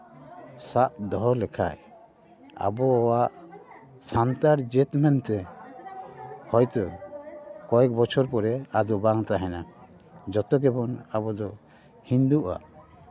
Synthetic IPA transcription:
saʔd̪ɔɦɔlɛkʰa̰j | a̰bɔːwaʔ | sant̪aɾd͡ʒɛt̪mɛnt̪ɛ | hɔjt̪ɔ | kɔɛk̚bɔt͡ʃʰɔɾpɔɾɛad̪ɔbaŋt̪aɦɛna | d͡ʒɔt̪ɔk̬ɛbɔnabɔd̪ɔ | hind̪uʔa̰

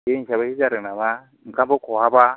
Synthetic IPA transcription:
en̩ʃaβahid͡ʒaɾinama | ŋ̩kabokowaba

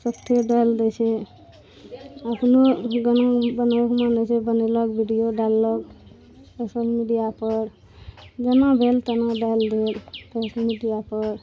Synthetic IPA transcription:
səpt̪ʰeɖajld̪et͡ʃʰɛ | əpʰnoɡənabənakmanɛt͡ʃʰɛbəneləkbʱiɖijoɖalːək | sosəlmiɖijapəɾ | d͡ʒənãbʱelt̪ənaɖald̪elsosəlmiɖijapəɾ

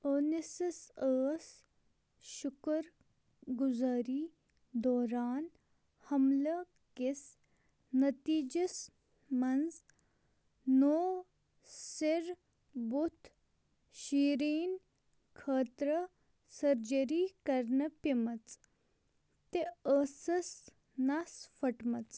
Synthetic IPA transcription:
oːnesɐsəːs | ʃʊkəɾ | ɡuzaːɾiː | d̪oːɾaːn | hɐmlɐ | kis | nɐt̪iːd͡ʒɐs | mɐnz | noː | siɾ | but̪ʰ | ɕiːɾiːn | kʰəːt̪ɾə | sɐɾd͡ʒɐɾiːkɐɾnɐpimɐt͡s | t̪eəːsɐs | nasfɐʈmɐt͡s

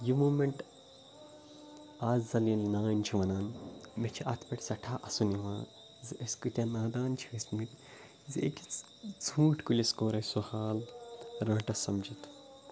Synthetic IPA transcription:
jimuːmeɳʈ | aːzzɐlinnaːnt͡ʃʰiʋɐnaːnmet͡ʃʰiʔɐt̪ʰpʲɐʈʰʲsɐʈʰaːʔɐsuniʋãː | zɨʔeskut̪ʲãːnaːd̪aːnt͡ʃʰiʋesmit̪ | zɨḛkʲi | d͡zʱuːʈʰkulʲeskoːɾɐjsuhaːlɾãːʈɐsɐmd͡ʒʱit̪

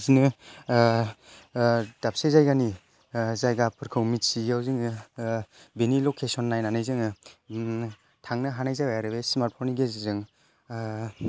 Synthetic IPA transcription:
zinɯ | d̥ap̚sejzajɡani | zajɡapʰɯɾkʰɯwmit̚siawzɯŋ | benilokʰesɔnːajnanɯjzɯŋ | tʰaŋnɯɦanajzajajaɾɯbesmaɾt̚pʰɔɾniɡezizɯŋ

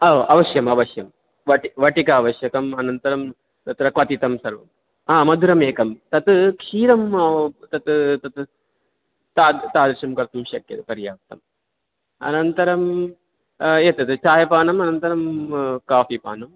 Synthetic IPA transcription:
ɐʔɐʋɐʃjɐmɐʋɐsjɐm | ʋɐʈiʋɐʈikɐːʋɐʃjɐkɐmɐnɐnt̪ɐɾɐm | t̪ɐt̪ɾɐkʋɐt̪it̪ɐmsɐɾʋɐ̰m | aːmɐd̪ʱuɾɐmeːkɐmt̪ɐt̪kʃiːɾɐmt̪ɐt̪t̪ɐt̪ | t̪aːd̪t̪aːd̪ɾiʃɐmkɐɾt̪ɐmʃɐkjɐ̰t̪pɐɾjaːpt̪ɐm | ɐ̰nɐnt̪ɐɾɐm | eːt̪ɐt̪ɨt͡ʃaːjɐpaːnɐmɐnɐnt̪ɐɾɐmkaːfipa̰ːnɐm

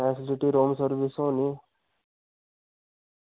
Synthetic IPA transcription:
ɛsɪliʈiɾoːmsəɾʋisõːni

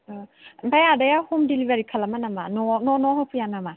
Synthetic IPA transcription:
bajadajahumdilibaɾikʰalamanamanɔnɔnɔɦɔpʰujanama

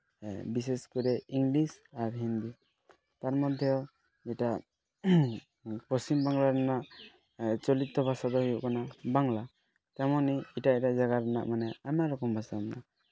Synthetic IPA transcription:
biseskɔɾɛiŋlisaɾɦind̪i | t̪aɾmɔd̪ʱjɔ | d͡ʒɛʈa | pɔsimbaŋlaɾanaʔ | t͡ʃɔlit̪ːɔbʱasad̪ɔhujuʔkanabaŋla | t̪amɔniiʈaiʈaʔd͡ʒaɡaɾɛna̰ʔmanɛamaʔɾɔkɔmbʱasamana

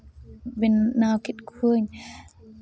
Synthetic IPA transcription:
benːaːwkit̚kʰiəɲ

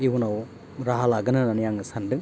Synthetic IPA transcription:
iwunaw | ɾaɦalaɡɯnɯnanijaŋɯsɐndɯ

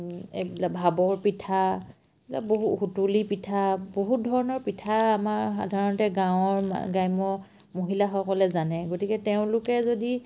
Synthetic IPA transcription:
ḛbilabʱabɔɹpitʰa | ebila̰boɦuxutulipitʰaboɦut̚dʱɔɹɔnɔɹpitʰaːmaɹxa̰dʱaɹɔntɛɡãwʊ̃ɔɹma̰ɡajmɔ | moɦilaxɔkɔlɛzanɛɡotikɛteʊ̃lʊkɛzodi

